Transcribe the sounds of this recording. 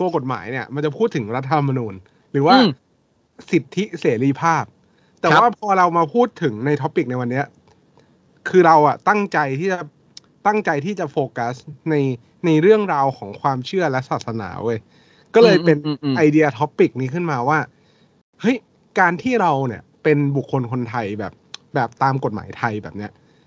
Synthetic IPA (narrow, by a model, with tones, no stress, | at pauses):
t̪u˧ɐko˨˩t̪̚ma̰ː˩˦jni˥˩ɐma˧nt͡ɕa˨˩pʰuː˥˩t̪ʰːɯ˩˦ŋɾa˦˥t̪ːʰa˧mːa˧nuː˧n | ɾɯː˩˦waː˥˩ | si˨˩t̪ʰːi˦˥seː˩˦ɾiː˧pʰaː˥˩p̚ | t̪ɛː˨˩waː˥˩pʰɔː˧ɾa˧wmaː˧pʰuː˥˩t̪ʰːɯ˩˦ŋna˧jt̪ʰɔ˦˥pːi˨˩k̚na˧jwa˧nːi˦˥ɐ | kʰɯː˧ɾa˧wʔa˨˩t̪a˥˩ŋt͡ɕa˧jt̪ʰiː˥˩t͡ɕa˨˩ | t̪a˥˩ŋt͡ɕa˧jt̪ʰiː˥˩t͡ɕa˨˩foː˧ka˦˥sna˧j | na˧jɾɯ˥˩əŋɾaː˧wkʰɔː˩˦ŋkʰwaː˧mt͡ɕʰɯ˥˩ɐlɛ˦˥ʔsaː˨˩t̪̚sa˧na̰ː˩˦ʔɤː˧j | kɔː˥˩lɤː˧jppe˧nʔa˧jdi˧ɐ˧t̪ʰɔ˦˥pːi˨˩k̚niː˦˥kʰɯ˥˩nmaː˧waː˥˩ | hɤ˦˥j | kaː˧nt̪ʰiː˥˩ɾa˧wni˨˥˩ɐpe˧nbu˨˩kʰːo˧nkʰo˧nt̪ʰa˧jbɛ̰ː˨˩p̚bɛː˨˩p̚t̪aː˧mko˨˩t̪̚ma̰ː˩˦jt̪ʰa˧jbɛ̰ː˨˩p̚ni˦˥ɐʔ